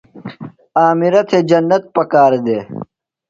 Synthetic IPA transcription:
aːmiɾɐt̪ʰeːd͡ʑɐnːɐt̪̚pɐkaːɾd̪eː

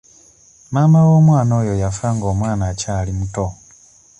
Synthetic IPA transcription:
mamawo̞ːmwaːno̞ːjo̞jafaːŋɡo̞ːmwaːnacaːlimuto

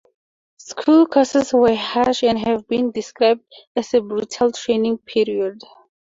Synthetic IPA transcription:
skʰulkʰɔsəswəhaʃɛ̃nɦɛvbĩndiskɹaɪb̚dæsebɹutʰəltʰɹẽnĩŋpʰiɹiɔd

